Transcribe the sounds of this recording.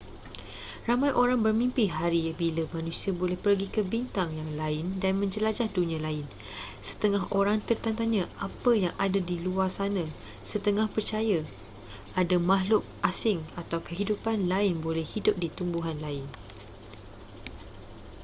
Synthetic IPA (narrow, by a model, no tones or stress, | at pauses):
ramajʔoɾaŋbərmĩmpɪɦaɾijabiləmãnũsiabolɛhpərɡikəbint̪aŋjaŋlaɪndanmə̃ɲd͡ʒəlad͡ʒahdunĩãlaɪn | sə̥t̪əŋaɦoɾaŋt̪ərt̪ant̪aɲãʔapəjaŋʔadadiluarsanã | sət̪əŋahpərt͡ʃaja | ʔadamaɦlʊk̚ʔasɪŋat̪awkəɦidupanlaɪnbolɛhhidʊp̚dit̪umbuɦanlaɪn